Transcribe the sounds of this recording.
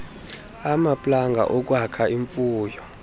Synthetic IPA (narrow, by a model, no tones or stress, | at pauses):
amapʼlaŋɡʱa̰ʔok̬wakʰaiɱfuːjɔ